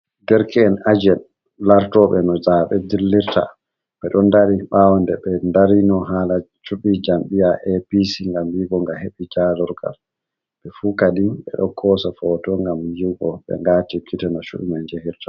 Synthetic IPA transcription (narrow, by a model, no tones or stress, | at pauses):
dɛɾkɛːnad͡ʒɛn | laɾtɔɓɛnɔzaɓɛdilːiɾta̰ | ɓɛɗɔndaɾiɓawɔndɛɓɛndaɾinɔɦalat͡ʃuɓid͡ʒamɓijaʔɛpisiŋɡamjiɡɔŋɡaheɓid͡ʒalɔɾɡa̰l | ɓɛfuːkadinɓɛ̰ɗɔkʰɔsafɔtɔŋɡamjiɡɔɓɛ̰ŋɡaːtikʰːitɛnɔt͡ʃṵɗumaɲd͡ʒehiɾta